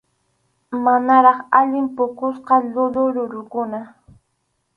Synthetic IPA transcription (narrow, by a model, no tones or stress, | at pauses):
manaɾɑχaʎɪmpʊkʊsqɑʎʊɾʊɾʊɾʊkʊna